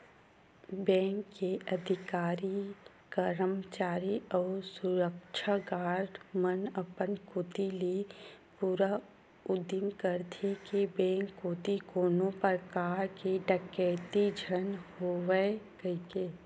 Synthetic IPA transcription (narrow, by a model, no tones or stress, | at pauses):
bɛ̃ːŋkːeʔəd̪ʱɪkaːɾi | kəɾəmt͡ʃaːɾiɔːɾsʊɾəkʃʰaɡaːɾmənəpənkoːt̪ilipuːɾa | ʊd̪imkəɾt̪ʰekebɛ̃ːŋkːot̪ikoːnopəkaːɾkeɖəkɛːt̪id͡ʒʱənhoːʋekəkeː